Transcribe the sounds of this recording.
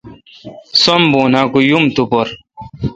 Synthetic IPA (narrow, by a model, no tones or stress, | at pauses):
somboːnaːkujumt̪upoɾ